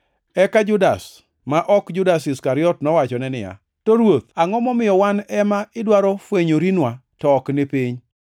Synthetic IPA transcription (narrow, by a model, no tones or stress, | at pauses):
ɛkad͡ʒʊdas | maʔɔkd͡ʒʊdas̬ɪskaɾɪɔtnɔwat͡ʃɔnɛnɪ̰ja̰ | toɾwot̪aŋɔmɔmɪjɔwanɛmaɪdwaɾɔfweɲoɾinwatɔːknɪpiɲ